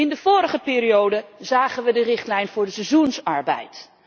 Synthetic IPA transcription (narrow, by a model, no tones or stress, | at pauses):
ɪndəv̥ʊːɾəχəpɪːɾiowdəzaːχənʋədərɪχtlɛjnvʊːɹdəsɛzunsɑɹbɛ̰jt